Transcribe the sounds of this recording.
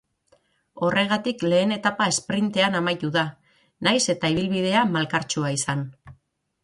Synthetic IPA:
o̞rʔe̞ɣ̞at̪ikle̞ːne̞t̪apae̞spɾint̪e̞anamajt̪uða | najse̞t̪aiβ̞ilβið̞e̞amalkaɾt͡ʃuaisan

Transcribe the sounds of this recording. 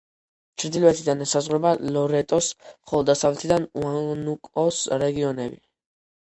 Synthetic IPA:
t͡ʃʰɾd̪ilvɛt̪ʰid̪anɛsazʁwɾɛbalɔɾɛt̪ʼɔsmχɔlˠɔd̪ːasavlɛt̪ʰid̪anuanukʼɔsɾɛɡiɔnɛbi

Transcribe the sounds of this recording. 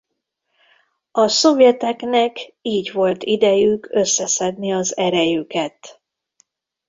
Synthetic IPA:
ɒso̞vjɛt̪ɛknɛkiːɟʋo̞lt̪id̪ɛjykø̞sːɛsɛd̪niɒzɛɾɛjykɛt̪

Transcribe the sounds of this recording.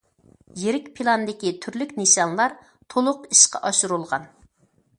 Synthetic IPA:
jeɾɪkʲpʰilˠɑnd̪ɪkʲit̪ʰyɾlykʲneʃɑnlˠɑɾ | t̪ʰolˠʊqiʃqɑ̰ʔɑʃuɾulˠʁɑ̰n

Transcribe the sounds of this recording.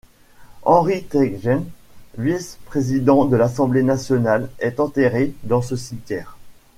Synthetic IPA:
ɑ̃ʁit̪ɛɡʒɛnvispχezid̪ɑ̃d̪əlasɑ̃blenasjɔnalɛt̪ɑ̃t̪eʁed̪ɑ̃səsimt̪ʲjɛːʁ

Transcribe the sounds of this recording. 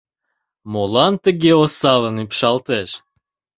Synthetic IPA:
molɑnt̪əɣeosɑlənypʃɑlt̪eʃ

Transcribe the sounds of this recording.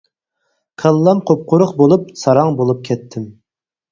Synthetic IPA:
kʰəlˠːɑmqʰop̚qʰʊɾʊqbolˠup̚sɑɾɑŋbolˠup̚kʲʰɛt̪ʰːɪm

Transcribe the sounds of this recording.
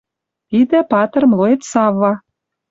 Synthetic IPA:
t̪id̪ĕpɑt̪ə̆rmloet̪sɑvːɑ

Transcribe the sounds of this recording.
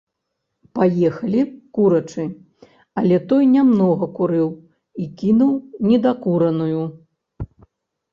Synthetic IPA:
pajɛxɐlʲikuɾɐt͡ʂɨ | ɐlʲɛt̪ɔjnʲamnɔɣɐkuɾɨw | ikʲinuwnʲɛd̪akuɾɐnuju

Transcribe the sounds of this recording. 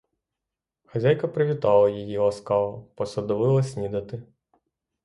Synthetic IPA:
xɐzʲajkɐpɾɪʋʲit̪ɑlˠɐjijilˠɐskɑʋɐpɔsɐd̪ɔʋɪlˠɐsʲnʲid̪ɐt̪ɪ

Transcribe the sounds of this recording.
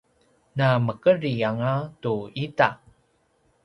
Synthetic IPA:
naməkəɾiaŋatuita

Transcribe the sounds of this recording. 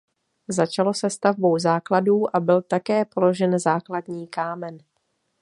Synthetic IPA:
zat͡ʃalo̞sɛst̪avbo̞wzaːkladuːʔabɪlt̪akɛːpo̞lo̞ʒɛnzaːkladɲiːkaːmɛn

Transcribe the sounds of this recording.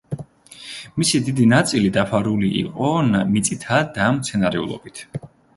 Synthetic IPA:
misid̪id̪inat̪sʼilid̪apʰaɾuliʔḭqʼɔnmit̪sʼit̪ʰad̪amt̪sʰɛnaɾɛṵlˠɔ̰bit̪ʰ

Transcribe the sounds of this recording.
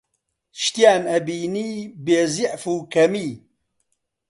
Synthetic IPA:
ʃt̪ijaːnɐbiːniːbeːziʕfuːkɐmiː

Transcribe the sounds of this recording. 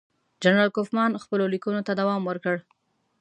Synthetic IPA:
d͡ʒanɾɑlkofmɑnxpəlolikunot̪ad̪awɑmwəɾkəɽ

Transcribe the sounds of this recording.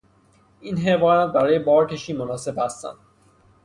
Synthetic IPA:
iːnɦevɒːjæt̪̚bæɾɒːje̞bɒːɾkʰe̞ʃiːmonɒːse̞bhæst̪æ̰nd̪

